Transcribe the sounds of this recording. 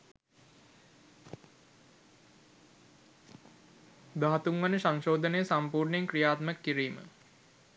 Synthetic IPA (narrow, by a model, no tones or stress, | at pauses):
d̪aɦat̪uŋʋanəsaŋʃoːd̪ənejəsampuːrɳjeŋkrijaːt̪məkːiɾiːmə̰